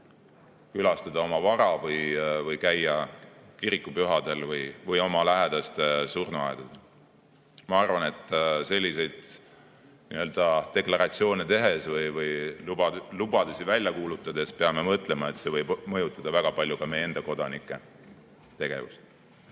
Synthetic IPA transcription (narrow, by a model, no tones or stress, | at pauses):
kylɑst̪ɑd̪̥ɑo̞mɑvɑɾɑvɤjvɤjkæjːɑkiɾikːˑupyɦɑd̪̥e̞lvɯjvɯjo̞mɑlæɦe̞d̪̥ɑst̪surnuɑ̰ed̪ɑd̪̥ɑ | mɑɑrvɑne̞t̪ːˑse̞lʲːise̞jd̪̥ | nḭø̞ld̪̥ɑt̪e̞klɑɾɑt̪sio̞ːne̞t̪e̞ɦe̞svɯjvɯj | lub̥ɑd̪̥usivælʲjɑkuːlut̪ˑːɑd̪̥e̞spe̞ɑme̞mɤt̪ːˑle̞mɑe̞t̪se̞vɤjbmɤjut̪ːˑɑd̪̥ɑvæɡ̥ɑpɑlʲjukɑmejːe̞nd̪̥ɑko̞d̪ɑnikːˑe̞ | t̪e̞ɡ̥e̞̰vṵst̪